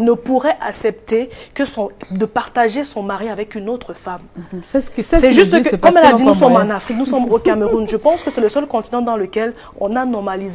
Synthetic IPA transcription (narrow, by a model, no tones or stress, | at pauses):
nəpuʁɛʔaksɛp̚t̪ekəsɔ̃d̪əpaʁt̪aʒesɔ̃maʁiavɛkynot̪χəfam | sɛʒyst̪kəkɔmɛlainusɔmɑ̃nafχik̚nusɔmokaməʁunʒəpɑ̃skəsɛləsœlkɔ̃t̪inɑ̃d̪ɑ̃ləkɛl | ɔ̰̃nanɔʁmaliz